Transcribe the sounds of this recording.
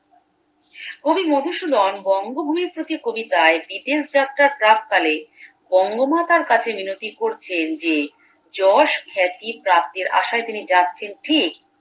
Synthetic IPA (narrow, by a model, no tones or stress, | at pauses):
kobimod̪ʱuʃud̪ɔnbɔŋɡobʱumiɾpɾot̪ikobit̪aebid̪esd͡ʑat̪ːɾaɾʈɾak̚kale | bɔŋɡomat̪aɾkat͡ɕʰeminot̪ikoɾt͡ɕʰend͡ʑe | d͡ʑɔʃkʰɛt̪ipɾap̚t̪iɾa̰ʃaet̪inid͡ʑatːɕʰenʈʰik̚